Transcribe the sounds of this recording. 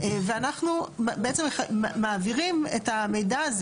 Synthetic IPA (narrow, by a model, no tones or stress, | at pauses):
veanaχnumbeʔet͡semeχamaːviʁimetame̞jdaːz